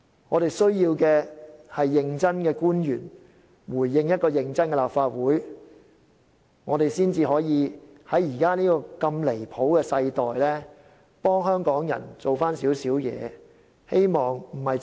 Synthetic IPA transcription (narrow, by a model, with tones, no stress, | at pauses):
ŋɔː˨˧ɾe˨jsɵ˥ɥjiː˧wkɛː˧hɐ˨jːɪ˧ŋt͡sɐ˥nkɛː˧kuː˥njyː˨˩n | wuː˨˩jːɪ˧ŋjɐ˥t̚kɔː˧jɪ˨˧ŋt͡sɐ˥nkɛ˧laː˨˩pfaː˧t̚wuː˨˥j | ŋɔː˨˧ɾe˨jsiː˥nt͡siː˧ɦɔː˨˥jiː˨˧hɐ˨˥jjiː˨˩kaː˥niː˥kɔː˧kɐ˧mle˨˩jpʰo˨˥wkɛː˧sɐ˧jt̪ɔː˨jlɛː˥ | pɔː˥ŋɦœː˥ŋkɔː˨˥ŋjɐ̰˨˩nt͡so˨˩wfaː˥nsiː˨˥wsiː˨˥wjɛ̰ː˨˧ | he˥jmɔː˨ŋm̩˨˩hɐ˨j